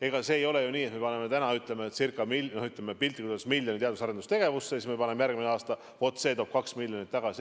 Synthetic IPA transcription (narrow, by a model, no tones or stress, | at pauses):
e̞ɡ̥ɑse̞ːjo̞lejuniːet̪me̞pɑne̞met̪ænɑyt̪ˑle̞meet̪sirkˑːɑmilnohyt̪ːˑlemepilʲt̪ˑikut̪osmilʲjo̞nit̪eɑd̪usɑɾed̪ust̪e̞ɡe̞vusːesismepɑne̞mejæɾrɡ̥̚mineɑːst̪ɑ | fo̞t̪set̪oːp̚kɑksmilʲjo̞nit̪ːɑɡ̥ɑsi